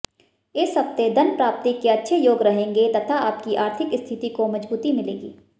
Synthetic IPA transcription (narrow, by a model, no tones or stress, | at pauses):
ɪsɦɐb̚t̪ed̪ɐnpɾaːp̚t̪ikːeɐtːʃʰejoːɡɾɐɦẽːŋɡet̪ɐt̪ʰaaːpkiʔaːɾt̪ʰɪkst̪ʰɪt̪ikomɐd͡ʒbuːt̪imɪlḛːɡḭː